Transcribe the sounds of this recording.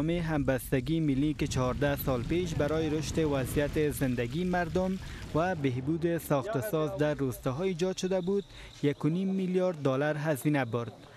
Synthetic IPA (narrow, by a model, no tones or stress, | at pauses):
meɦambast̪aɡimɪlːikɪt͡ʃɔhːɾd̪asɔlpeʃ̬baɾɔjɪɾʊʃt̪ɪwazijat̪ɪzɪnd̪aɡimaɾd̪ʊmwabeɦbud̪ɪsɔxt̪asɔzd̪aɾːost̪ɔɦɔid͡ʒɒd̪ʃʊd̪abud̪ | jakʊnimːilijɒɾd̪ːɔlaɾɦazinabʊɾd̪̥̚